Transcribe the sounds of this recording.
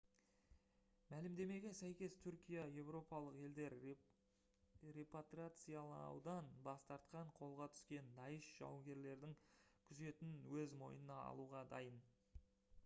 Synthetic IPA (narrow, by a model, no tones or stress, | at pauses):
mælɪmd̪e̞me̞ɡʲesæjkʲe̞st̪ʰʏɾkʲijaje̞wɾo̞pɑlˠəqe̞ld̪e̞ɾ | re̞pot̪rat̪sɨjalˠɑwd̪ɑnbɑst̪ɑɾt̪qɑɴqʰo̞lˠʁɑt̪ʰʏ̥skʲe̞nd̪ɑjəʃʒ̥ɑ̰wŋɡʲe̞ɾle̞ɾd̪ɪŋkʲʰʏze̞t̪ɪnwɵzmo̞̰jnənɑɑ̰lˠuʁɑd̪ɑjən